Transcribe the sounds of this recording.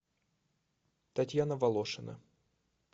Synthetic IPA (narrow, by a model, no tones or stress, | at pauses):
t̪ɐtʲjanəvɐlˠoʂɨnə̰